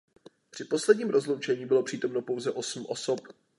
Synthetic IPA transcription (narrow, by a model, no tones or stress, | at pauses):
pr̝̥ɪpo̞slɛdɲiːmɾozlowt͡ʃɛɲiːbɪlo̞pr̝̥iːt̪o̞mno̞po̞wzɛʔo̞sm̩ʔo̞so̞p